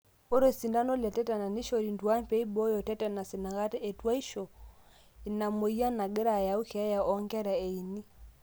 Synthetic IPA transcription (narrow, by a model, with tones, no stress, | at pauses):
o˦ɾo˨si˨nda˦nɔ˦la˨tɛ˦tɛ˨na˨ni˦ʃɔ˨ɾi˨ndu˨a˦pɛ˦i˦bɔ˦jɔ˨tɛ˦tɛ˨na˨si˨na˨ɣa˦tɛ˦e˨twa˦i˦ʃɔ˨ | i˨na˨mo˨i˦a˦na˨ɡɛ˦ɾa˨ja˨u˦kʰːja˨ʔɔ˦ŋɡɛ˦ɾa˨e˨i˨ni˦